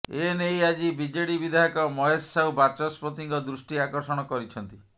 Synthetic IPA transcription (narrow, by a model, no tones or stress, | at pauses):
enejad͡ʒibid͡ʒeɽibid̪ʱaɦɔkɔmɔɦesːawbat͡ʃɔspɾot̪iŋkɔd̪ɾusʈiakɔɾsɔɽ̃ɔkɔɾit͡ʃʰɔnt̪i